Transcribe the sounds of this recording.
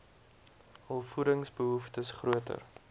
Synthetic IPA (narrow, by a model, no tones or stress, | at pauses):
həlˠfuɾəŋsbəɦuftəsχruətə̰r